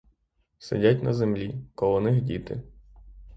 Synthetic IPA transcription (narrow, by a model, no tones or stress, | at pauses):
sḛdʲatʲnɐzemlʲikɔlˠɔnɪxdʲit̪ɪ̰